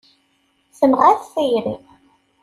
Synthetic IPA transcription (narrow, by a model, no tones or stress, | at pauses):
səmʁæθθijɾḭ